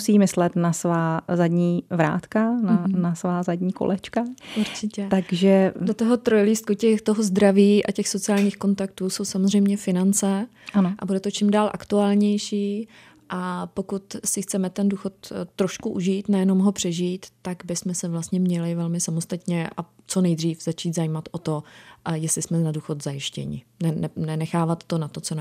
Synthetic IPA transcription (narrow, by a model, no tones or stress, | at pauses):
siːmɪslɛt̪nasvaːzadɲiːvɾa̰ːt̪kananasvaːzadɲiːko̰lʔɛt͡ʃkaʔuɾt͡ʃɪcɛt̪aɡʒɛdot̪oɦo̞t̪ɾo̞jliːst̪̚kucɛxt̪o̞ɦo̞zd̪ɾaviːʔa̰cɛxso̞t͡sɪaːlɲiːxko̞nt̪akt̪uːso̞wsamozrɛjmɲɛfɪnant͡sɛ | anoʔa̰budɛt̪o̞t͡ʃɪmdaːlʔakt̪uaːlɲɛjʃiː | ʔapo̞kut̪sɪxt͡sɛmɛt̪ɛnduːxo̞t̪ːɾo̞ʃkuʔuʒiːt̪nɛjɛno̞mɦo̞pr̝̥ɛʒiːt̪ːaɡbɪsmɛsɛvlast̪ɲɛmɲɛlɪvɛlmɪsamost̪at̪ɲɛʔa̰ | t͡so̞nɛjd̪riːfz̥at͡ʃiːt̪zajiːmat̪ʔo̞t̪o̞jɛslɪsmɛnaduːxo̞t̪zajɪʃcɛ̰ɲɪ̰nɛnɛnɛnɛxaːvat̪ːonat̪o̞t͡son